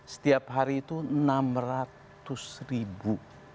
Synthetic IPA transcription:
sə̥t̪iapɦaɾiːt̪unamrat̪ʊsribu

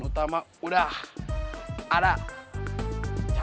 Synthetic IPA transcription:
not̪amauɾa | ɾa

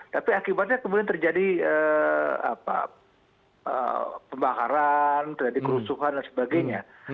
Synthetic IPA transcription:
t̪apiakibat̪̚ɲakəmudiant̪ərd͡ʒadiəa̰pa̰ | ə̰pəmbakaɾant̪ərd͡ʒadikəɾusuɦandansəbaɡajɲa

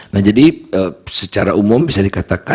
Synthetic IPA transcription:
nahd͡ʒadiəsət͡ʃaɾaʔumʊmbisadikat̪aka

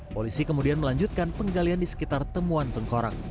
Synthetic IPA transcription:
polisikəmudianməlaɲd͡ʒut̪̚kanpəŋɡaliandisə̥kit̪art̪əmuant̪əŋkoɾa̰k̚

